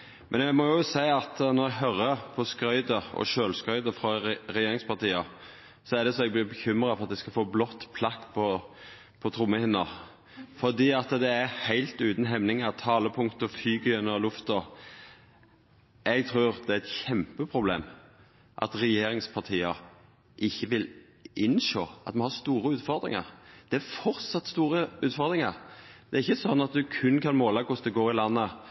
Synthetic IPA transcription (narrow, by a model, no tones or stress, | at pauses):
mʔɛnæmɔjʊsæɪɑt̪nɔɾɛɡɦœɾːəpʰɔskɾœʏd̪əɔ̰ʃøːlskɾœʏd̪əfɾɑɾɛjeːɾɪŋspʰɑʁt̪iːɑ | sɔæd̪ɛsɔɛɡ̚blɪbəçʏmɾɑfɔʁɑt̪̚d̪æɪskɑlfoːblɔt̪ːpʰlɑkːpʰɔ | pʰɔt̪ʰɾʊmːəhɪnːə | fɔd̪iːɑt̪d̪ɛæhæɪlt̪ʉːt̪n̩ɦɛmnɪŋɑt̪ʰɑːləpʰʊŋt̪ɔfyːɡəjɛnɔlʉft̪ə | ɛɡt̪ʰɾʉːʁd̪ɛæɾɛt̪çɛmpəpʰɾʊblḛːm | ʔɑ̰t̪ɾɛjeːɾɪŋspʰɑʁt̪ʰiːəɾ | ʔɪçːəʋɪl | ʔɪnʃoːʔɑ̰t̪mɑnhɑʁst̪uːɾəʉːt̪fɔʁd̪ɾɪ̰ŋə̰ʁd̪̥ɛæɾfɔɾt̪sɑt̪st̪uːɾəʉːt̪fɔɾd̪ʁɪŋəʁd̪ɛæɾɪçːəsɔnːɑt̪̚d̪ʉkʰʉnkʰɑnmoːlɑkʊsd̪ɛɡoːɾɪlɑnːə